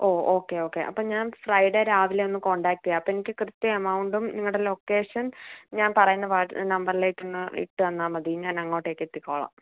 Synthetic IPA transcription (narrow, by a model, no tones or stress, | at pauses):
oːoːkːe̞o̞ːkːe̞ʔɐ̰pːoːɲaːnfrɐjɖeɾaːʋileo̞nːɨko̞ɳɖaːk̚ʈ̪ijaɐpːoenikʲːɨkrɨt̪ːjɐɐmɐwɳɖumniŋːɐɭɽelo̞kːe̞ːʂɐnɲaːnpɐrɐjunːɐʋaːʈːnɐmbɐrileːkʲːunːɨḭʈːɨʋɐnːaːmɐd̪iɲaːnɐŋːo̞ːʈːeːkːet̪ːikʲːoːɭɐ̰ːm